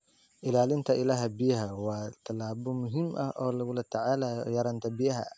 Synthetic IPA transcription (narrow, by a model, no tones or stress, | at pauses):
ʔɪlaːlɪnt̪ʰɐʔɪlaːɦɐbɪjɐɦɐwɑːt̪ʰɐlaːbɔmʊɦimʔɐ̰hʔɔːlɐɣʊlɐt̪ʰɐʕaːlajɐɾɐnt̪ʰɐbɪjɐɦɐ̰